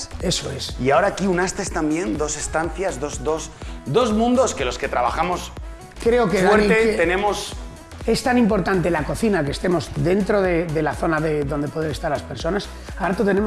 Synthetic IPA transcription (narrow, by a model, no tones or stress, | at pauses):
e̞soe̞siaoɾaːkiunast̪est̪ambje̞nd̪o̞se̞st̪an̟θjazðo̞zd̪o̞sd̪o̞zmũnd̪o̞ske̞lo̞ske̞t̪ɾaβa̰xamo̞s | kɾe̞okeweɾet̪enẽ̞mos | e̞st̪anĩmpo̞ɾt̪ant̪e̞lako̞θinakest̪e̞mo̞zd̪e̞nt̪ɾo̞ðe̞ðe̞laθo̞naðe̞ðo̞nd̪e̞poðee̞st̪aɾlaspe̞ɾso̞nas | aɾat̪ut̪e̞ne̞mo